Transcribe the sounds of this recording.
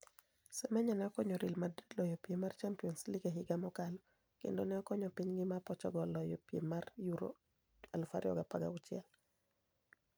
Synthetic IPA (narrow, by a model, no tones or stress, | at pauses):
semɛɲɔnɛɔkɔɲɔɾilmadidlɔjɔpiemart͡ʃampiɔnsliɡeɦɪɡamɔkalɔ | kḛndonɛɔkɔɲɔpiɲɡɪmapɔt͡ʃɔ̰ɡɔlɔjɔpiḛmarjuɾo̰ | alfaɾɪɔ̰ɡapaɡa̰ʊt͡ʃjɛl